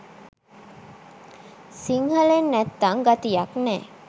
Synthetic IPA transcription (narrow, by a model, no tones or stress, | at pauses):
siŋhəlenːɛt̪ːaŋɡat̪ijaknɛː